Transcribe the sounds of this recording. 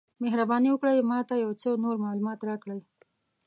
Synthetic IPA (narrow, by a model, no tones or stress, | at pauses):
meɦɾabɑniwəkɽəjmɑt̪ajawt͡ʃəwnoɾmɑlumɑt̪ɾɑkɽəj